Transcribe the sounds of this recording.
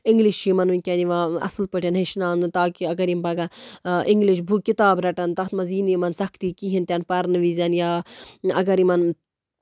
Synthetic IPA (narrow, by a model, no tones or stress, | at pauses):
iŋɡliʃt͡ʃimɐnunʲkʲɐniʋãɐ̰slpɐʈʰʲɐnɦeʃnaːnt̪aːkiɐɡɐɾimpɐɡɐʔiŋɡliʃbʱukit̪aːbɾɐʈɐnt̪ɐt̪mɐziːnimɐnsɐkʰt̪ikiɦint̪ʲɐnpɐɾnʋizɐnjaːɐɡɐɾimɐn